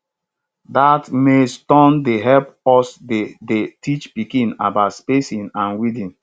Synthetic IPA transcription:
datmestɔ̃ndeɦɛlpɔsdedetit͡ʃpikĩna̰baʊtspesĩnãnwidĩn

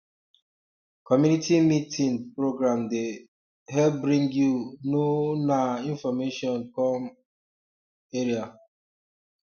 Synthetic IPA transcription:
kɔmjunitimitʰĩnpɾoɡɾãmde | ɦɛlp̚bɾĩŋɡjunonaĩnfɔmeʃɔ̃nkɔm | eɾia

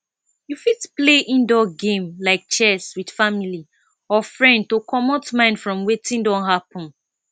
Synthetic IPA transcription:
jufidpleʔĩndɔɡẽmlaɪk̚t͡ʃɛswid̥famili | ɔfɹɛ̃nd̚tokʰɔmɔtmãɪ̃ndfɹɔ̃mwetĩndɔ̃nɦapɔ̃n

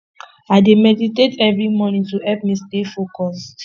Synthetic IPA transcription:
aɪdemɛditetʰɛvɹimɔnĩŋtuɛp̚mistefokɔs

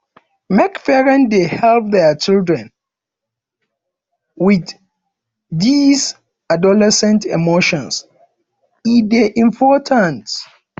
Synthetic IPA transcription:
mɛkfɛɹɛ̃ndehɛlp̚ðɛt͡ʃildɹɛ̃n | wɪð | dis | adɔlɛsɛ̃ntɛ̰moʃɔ̃ns | ideʔĩmpʰɔtʰãnt

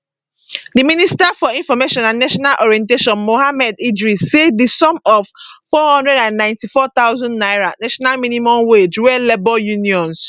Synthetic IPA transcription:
diministafɔĩnfɔmeʃɔ̃nãnːaʃɔnalʔɔɹiɛ̃nteʃɔ̃nmohamɛdidɹisedisɔ̃mɔvfɔhɔ̃ndɹɛdãnːãɪ̃ntifɔt̪aʊzɔ̃ndnaɪɹanaʃɔnalminimɔ̃mwed͡ʒwɛlebɔljuniɔ̃ns

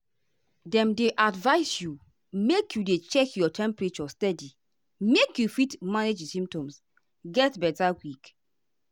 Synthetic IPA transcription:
dɛ̃mdeʔadvaɪsju | mekjudet͡ʃɛkjɔtʰɛ̃mpɹet͡ʃɔstɛdi | mekjufitmaned͡ʒsĩmp̚tɔ̃ms | ɡɛtbɛtawik

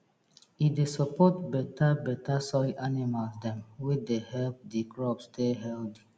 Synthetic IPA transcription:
idesəpɔtbɛtabɛtasɔjanimalsdɛ̃mwid̪ehɛlp̚dikɹɔpsteɦɛldi

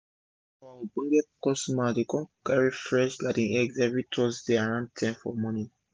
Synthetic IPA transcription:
abũɡɛkɔsmadekɔ̃nkaɹifɹɛʃlatĩnɛɡzɛvɹitʰɔsdeaɹãnd̚tʰãmfɔ̰mɔ̃nĩ

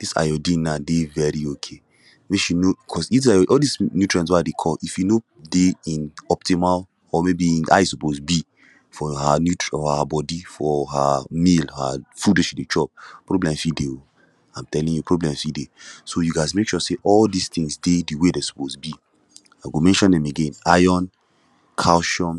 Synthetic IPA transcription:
d̥isa̰jɔdĩnadevɛɹiokʰe | meʃinobikʰɔsitaʔɔldisnutɹãns̬wɔadekʰɔifjuno | deĩnɔp̚timal | ɔmebiĩna̰ɪsuposbi | fɔhanjutɔhabɔdifɔɦa̰milha̰fudoʃidet͡ʃʰɔp̚pɹoblɛ̃msideo | ãɪ̃mtɛlĩŋjupʰɹoblɛ̃msidesojuɡaɪzmekʃɔseʔɔldist̪ĩŋsdediwedesu̥posbi | aɪɡomɛ̃nʃɔ̃ndɛ̃meɡẽnajɔn | kʰaʊʃɔ̃n

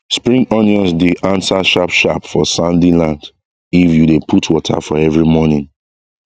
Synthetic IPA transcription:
spɹĩŋɔ̃njɔ̃nsdiʔãnsaʃapʃapfɔsãndilãnd | ifjudepʰutʰwɔtʰa̰fɔɛvɹimɔnĩŋ

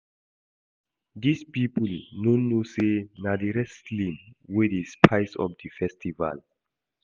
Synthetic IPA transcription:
dispipulnõnːusenadiɾɛslĩmwidispʰajsɔ̰fdifɛstʰiva̰l

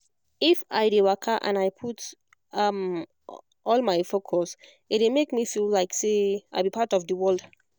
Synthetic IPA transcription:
ifajdewakʰaʔã̰najpʰut | ʌm | ɔlˠmaɪfokʰɔs | it̚demekmifillaɪkseaɪbipʰatɔfdəwɜlˠd

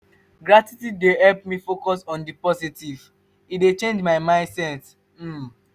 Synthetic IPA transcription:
ɡɹatitidehɛlp̚mifokɔsɔ̃ndipɔsitiv | idet͡ʃẽnd͡ʒmaɪmãɪ̃ndsɛ̃ns | m̩

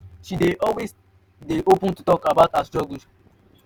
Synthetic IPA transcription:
ʃideʔɔlwes | deʔopə̃ntutɔkabaʊtasd͡ʒɔɡus

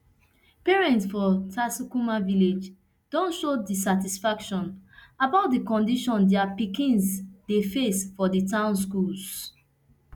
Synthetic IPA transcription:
pɛɹɛ̃ntsfɔtʰasukumaviled͡ʒ | dɔ̃nʃodis̬atisfakʃɔ̃nabaʊt̚dikɔ̃ndiʃɔ̃ndɛapikĩnsdefesfɔditãʊ̃ns̬kuls

